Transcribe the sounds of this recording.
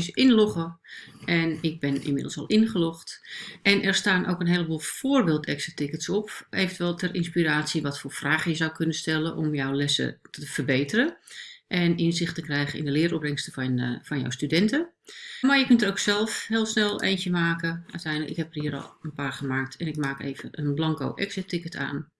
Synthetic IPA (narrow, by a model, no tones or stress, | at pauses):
sɪnloχəʔɛnɪɡ̚bɪnɪ̰nmɪdəlˠsɑlˠʔɪnχəloχtʔɛnʔɛrstaːnʔo̰ːkənɦeːləbuːlˠfoːrbeːlˠtʰɛksətɪkətsɔpʔejvəntʰʋɛlˠtʰɛɾʔɪnspiɾaːsjəʋɔtfoːrfraːχəjəzawkʰønəstɛlˠənʔɔmjɔwlɛsə̰tʰəfərbeːtərəʔɛnɪnsɪχtəkrɛjχənɪ̰ndəlɪəɾɔprɪŋstənfɔnjɔ̰wstydɛntə | maɹjəkøntəɾowksɛlˠfhɪːlˠsnɛlˠḛːnt͡ʃəmaːkəʔœ̰ɥtɛjnləkɪ̰khɛpərhiəɾɔ̰lˠənpaːrχəmaːk̚tʰɛnɪkmaːkḛːvənʔənblɑŋko̰ʔɛksətɪkətʰa̰ːn